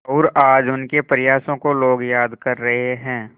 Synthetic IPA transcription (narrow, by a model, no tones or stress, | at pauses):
ɔːɾaːd͡ʒʊnkepəɾɪjaːsõkoloːɡjaːd̪kɐɾːɐɦeɦɛ̃ː